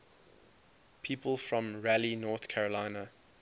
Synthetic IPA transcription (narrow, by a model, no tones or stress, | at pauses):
pʰiːˑpʰəlˠfɹɔ̃mɹælinɔːˑθkʰæɹəlãɪnə